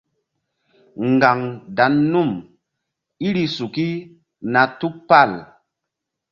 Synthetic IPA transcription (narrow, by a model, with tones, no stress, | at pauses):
ŋ˨ɡa˨ŋda˨˦nːu˦˨m | i˦ɾi˧su˨ki˦ | na˨tu˦k̚pa˦˨l